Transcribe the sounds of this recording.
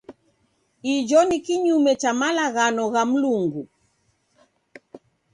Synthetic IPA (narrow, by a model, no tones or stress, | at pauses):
id͡ʒɔnikiɲumɛt͡ʃamalaɣanɔɣam̩luŋɡu